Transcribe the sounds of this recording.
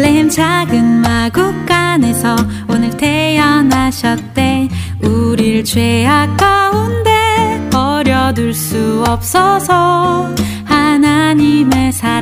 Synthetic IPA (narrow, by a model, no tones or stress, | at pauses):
eɦemt͡ɕʰaɡɯnmaɡuk̚k͈ane̞sʰʌ | onɯɭtʰe̞jʌnɦaɕʰʌt̚t͈e̞ | uɾiɭt͡ɕwe̞ak͈̚aunde̞ʌɾjʌduɭs͈uʌp̚s͈ʌsʰʌ | hanaɲime̞sʰa